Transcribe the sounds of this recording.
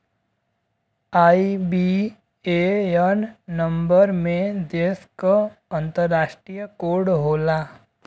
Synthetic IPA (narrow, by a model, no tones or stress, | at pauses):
aibi | ejənnəmbəɾmẽd̪eskəənt̪əɾːaʃʈɾijəkoɾɽɦola